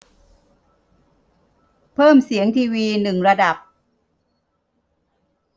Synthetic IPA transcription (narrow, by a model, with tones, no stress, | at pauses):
pʰɤː˥˩msi˩˦əŋt̪ʰiː˧wiː˧nɯ˨˩ŋɾa˧da˨˩p̚